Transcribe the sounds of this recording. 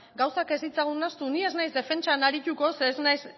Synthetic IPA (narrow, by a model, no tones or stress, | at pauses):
ɡawsake̞zit͡saɣ̞unast̪unie̞znajzd̪e̞fe̞nt͡ʃanaɾit̪uko̞seːznajs